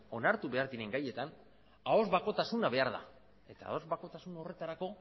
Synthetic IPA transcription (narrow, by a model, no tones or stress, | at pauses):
o̞naɾt̪uβe̞aɾðiɾe̞ŋɡaje̞t̪an | ao̞zβako̞t̪asunaβe̞aɾða̰ | e̞t̪aa̰o̞zβako̞t̪asunore̞t̪aɾako̞